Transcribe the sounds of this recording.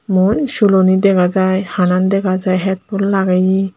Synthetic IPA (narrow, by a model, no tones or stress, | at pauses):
munʃulɔnid̪ɛkʰazajhanand̪ɛkʰazajɦɛt̪̚pullaɡaji